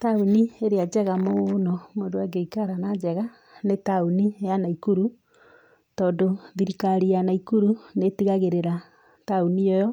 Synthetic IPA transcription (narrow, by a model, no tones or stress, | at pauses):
taunieɾead͡ʒɛɣamonɔmodoaɡeikaɾanad͡ʒɛɣa | netaunijanaikuɾu | tɔːndoðiɾikaɾijanaikuɾunetiɣaɣeɾeɾa | taunijɔjɔ